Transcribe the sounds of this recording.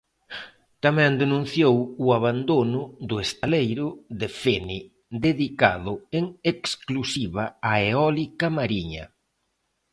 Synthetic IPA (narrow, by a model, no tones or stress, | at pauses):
t̪amɛ̃nd̪enũnθjowʊaβand̪onʊd̪ʊest̪alejɾʊðɪfeni | d̪eðika̰ðʊeŋeksklusiβaaeɔlikamaɾiɲɐ̰